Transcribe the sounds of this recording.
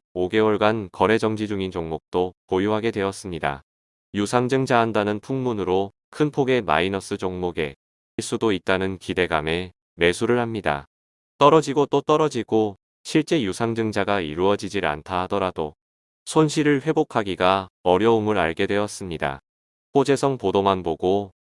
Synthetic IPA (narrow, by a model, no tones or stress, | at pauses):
oɡe̞wʌɭɡankʌɾe̞d͡ʑʌŋd͡ʑid͡ʑuŋind͡ʑoŋmok̚t͈okojuɦaɡe̞dwe̞ʌs͈ɯmɲida̰ | jusʰaŋd͡ʑɯŋd͡ʑaɦandanɯnpʰuŋmunɯɾo | kʰɯnpʰoɡe̞ma̰inʌs͈ɯd͡ʑoŋmoɡe̞ | iɭs͈udoit̚t͈anɯnkide̞ɡame̞ | me̞sʰuɾɯɭhamɲida̰ | t͈ʌɾʌd͡ʑiɡot͈ot͈ʌɾʌd͡ʑiɡo | ɕʰiɭt͡ɕ͈e̞jusʰaŋd͡ʑɯŋd͡ʑaɡaiɾuʌd͡ʑid͡ʑiɾa̰ntʰaɦadʌɾado | sʰonɕʰiɾɯɭɸwe̞bokʰaɡiɡaʌɾjʌumɯɾa̰ɭɡe̞dwe̞ʌs͈ɯmɲida̰ | p͈od͡ʑe̞sʰʌŋpodomanboɡo